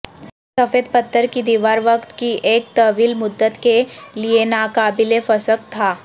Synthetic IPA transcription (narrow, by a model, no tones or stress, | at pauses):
sɐfeːd̪pət̪ːəɾkid̪iːʋaːɾʋəkt̪kiʔeːk̚t̪ɐʋiːlmʊd̪ːət̪kelienaːkaːbɪlefɐsək̚t̪ʰaː